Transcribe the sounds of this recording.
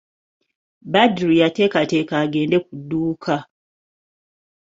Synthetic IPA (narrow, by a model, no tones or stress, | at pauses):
badɾijate̞ːkate̞ːkaːɡe̞ːnde̞k̚udːuːkʰa